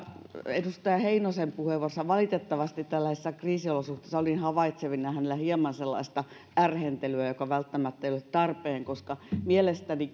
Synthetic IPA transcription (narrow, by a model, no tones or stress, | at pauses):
edust̪ɑjɑheinosempuheʋorsɑʋɑlit̪et̪ːɑʋɑst̪it̪t̪ælːæhesːækriːsiolosuht̪e̥ˑːsːɑolʲiinhɑʋɑit̪seʋinːɑhænelːæhiemɑnselːɑ̰ist̪ɑ | ærhent̪elyæjokɑʋælt̪ːæmæt̪ːæeijolet̪t̪ɑrpeːŋkoskɑmielest̪æni